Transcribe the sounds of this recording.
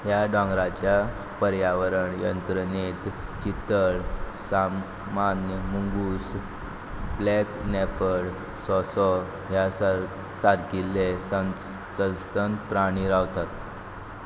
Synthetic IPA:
ɦjaɖɔ̃ŋɡɾat͡ɕja | pəɾjaʋəɾəɳjənt̪ɾənet̪t͡ɕit̪ːəɭ | sa | manjəmuŋɡus | blɛknɛpəɽ | sɔsɔ | ɦjas | saɾkilːesə | səst̪ənpɾaɽ̃iɾaʋt̪at̪

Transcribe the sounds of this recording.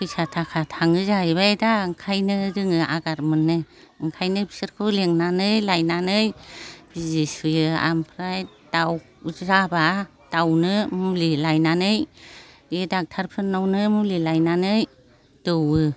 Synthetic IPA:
kʰɯjsatʰakʰatʰaŋɯzajβajdaɯŋkʰajnɯɾɯŋɯʔaɡaɾmɯnːɯ | ɯŋkʰajnɯbisɯɾkʰɯleŋnanɯjlajnanɯjb̥izisɯjɯa̰mpʰɾaj | d̥aw | zaba | d̥awnɯmulilajnanɯj | edak̚tʰaɾpʰɯnnːawnɯmulilajnanɯj | d̥ɯwɯ

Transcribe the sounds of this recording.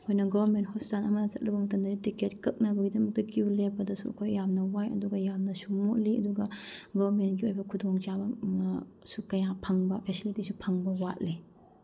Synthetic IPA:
kʰojnɐɡabment̚hɔpʰzanɐmɐnɐt͡ʃɐt̚lɐbɐmɐtɐmdɐɾitiket̚kɐk̚nɐbɐɡidɐmɐk̚tɐkiulebɐdɐsuɐkʰojːamnɐwajɐ̰duɡɐjamnɐsumoʔliɐ̰duɡɐɡobɾmentɡiojbɐkʰudoŋt͡ʃabɐ | sukɐjapʰɐŋbɐpʰesilitisupʰɐŋbɐwat̚li

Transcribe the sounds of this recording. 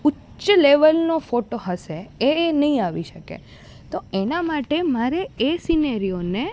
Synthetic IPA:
ʊ | ʃəleʋəlnofoʈoɦəʃeeːnəɦĩaʋiʃəkḛ | t̪oenamaʈemaɾeesinəɾione

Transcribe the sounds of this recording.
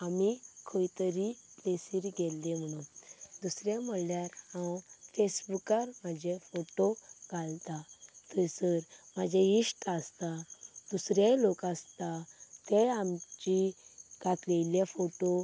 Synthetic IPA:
amikʰəjt̪əɾiplesiɾɡɛlːem̤əɽ̃ũd̪usɾjem̤əɽljaɾhãwfesbukaɾmad͡ʑʱefoʈoɡʱalt̪at̪əɾsəɾmad͡ʑʱeisʈast̪ad̪usɾelokast̪at̪eamt͡ɕiɡat̪ʰlejljafoʈo

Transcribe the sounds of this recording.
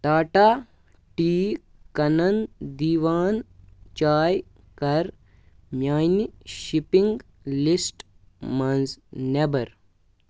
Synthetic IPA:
ʈ̪aːʈaː | ʈiː | kɐnɐnd̪iːʋaːnt͡ʃaːj | kɐɾ | mjaːjniʃipiŋɡ | lisʈ | mɐnznebɐɾ

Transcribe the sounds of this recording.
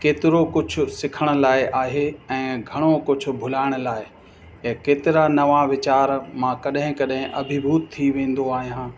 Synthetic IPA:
keːt̪ɪɾokʊd͡ʑʱʊ̆sɪkʰəɽ̃ʊ̆laːɪʔaːɦeɛ̃ːɡʱɐɽ̃okʊd͡ʑʱʊ̆bʱʊlaːɪɽ̃ʊlaːɪ | ɛ̃keːt̪ɪɾanɐʋãʋɪt͡ɕaːɾmãːkɐɗɦɪ̃kɐɗɦɪ̃ʔɐ̰bʱɪbʱuːt̪t̪ʰːiʋẽːn̆d̪oaːɦijãː

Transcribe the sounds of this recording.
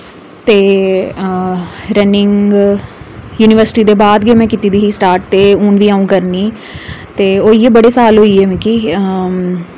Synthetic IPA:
t̪eː | ɾənɪŋ | juːnɪʋəɾsɪ̥ʈiːd̪eːbaːd̪ɡeːmɛ̃ːkit̪iːd̪iːɦiːsʈaːɾʈ̚t̪eːunʋiːaːũːkəɾniː | t̪eːoːiːeːbəɽeːsaːlɦoːiːeːmɛ̃kiː

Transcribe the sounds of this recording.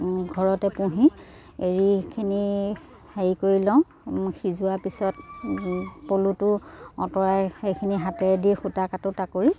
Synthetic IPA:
ɡʱɔɹɔtɛpũɦi | eɹikʰini | haikoɹilɔw̃ | xizʊapisɔt | polutʊɔ̰tɔɹajxejkʰiniɦatɛdixutakatʊtakuɹi

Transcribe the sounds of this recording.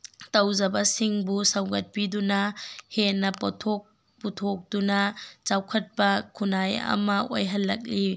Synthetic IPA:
tɐwzɐbɐsiŋbusɐwɡɐt̚pidunɐhenːɐpɔtʰok̚ | putʰok̚d̥unɐt͡ʃawkʰɐt̚pɐkʰunajɐ̰mɐo̰jɦɐlːɐk̚li

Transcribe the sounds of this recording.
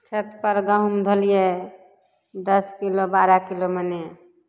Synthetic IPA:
t͡ʃʰət̪pəɾɡaɦumd̪ʱolije | d̪əskilobaɾakiloməne

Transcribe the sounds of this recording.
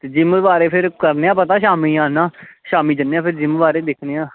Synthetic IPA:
t̪eːd͡ʒɪmbaːɾeːpʰɪɾkəɾneːãːpət̪aːʃaːmiːãːnãːʃaːmiːd͡ʒənːeːãːpʰɪɾd͡ʒɪmbaːɾeːd̪ɪkʰneːãː

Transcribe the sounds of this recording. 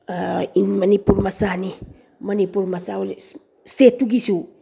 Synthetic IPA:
ainmanipuɾmasani | manipuɾmasao | stetuɡisu

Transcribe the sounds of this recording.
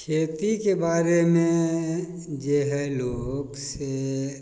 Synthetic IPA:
kʰeːt̪ikebaːɾemẽ | d͡ʒeɦɛloːɡse

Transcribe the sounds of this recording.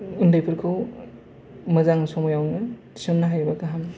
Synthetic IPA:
undajpʰɯɾkʰɯw | mɐzaŋsɔmɔjawnɯ | i̥sonːɐɦajbakaɦam

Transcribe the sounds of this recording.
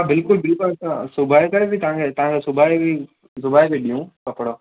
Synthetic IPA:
abɪlkʊlbɪlkasãsʊbʱaːikɐɾebɪt̪ɐʋ̤ãkʰet̪ɐʋ̤ãŋkʰesʊbʱaːibi | sʊbaːibiɗijũkɐpɽoː

